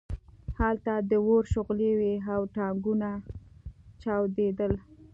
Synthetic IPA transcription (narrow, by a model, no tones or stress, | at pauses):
halt̪ad̪əwoɾʃʊɣleweawʈɑŋɡuna | t͡ʃɑwd̪ed̪əl